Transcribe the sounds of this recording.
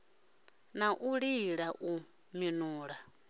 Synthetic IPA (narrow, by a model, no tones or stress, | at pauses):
naʔuɺiɺaʔu | minuːɺa